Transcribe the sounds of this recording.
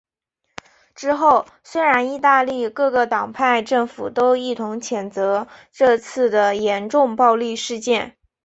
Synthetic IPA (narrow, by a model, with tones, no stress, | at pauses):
ʈ͡ʂɻ̩˥xo˥˩ʊ | swe˥ɪɻa˧˥ni˥˧t̪a˥˧li˥˧kɤ˥˩ɡə˩t̪ɑ˨˩ŋpʰa˥˧ɪʈ͡ʂɤ˥˩ŋfṵ˨˩t̪o˥ʊi˥˩t̪ʰʊ˧˥ŋt͡ɕʰjɛ˨˩nt͡sɤ˧˥ʈ͡ʂɤ˥˧t͡sʰɹ̩˥˩d̪ə˩jɛ˧˥nʈ͡ʂʊ˥˧ŋpɑ˥˧ʊli˥˧ʂɻ̩˥˧t͡ɕjɛ˥˩n